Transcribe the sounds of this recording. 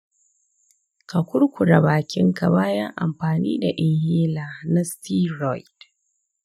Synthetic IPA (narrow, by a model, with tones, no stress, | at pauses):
ka˨kʷʊ˦ɽkʷʊ˨ɽa˨baː˨kʲɪ˦ŋka˨baː˦ja˦ŋʔa̰˨mɸaː˨niː˦da˨ʔɪ˨ŋhiː˦laː˨na˦stiː˦ɾɔ˦˨jd